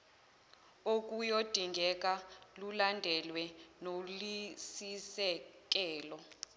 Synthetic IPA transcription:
ok̬ʼujod̥ʱiŋɡʱɛk̬ʼalulandʱɛlwɛnolisisɛk̬ʼɛːlɔ

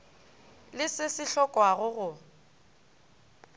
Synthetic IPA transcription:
lɪsɪsɪɬɔkʼwaɣʊɣʊ

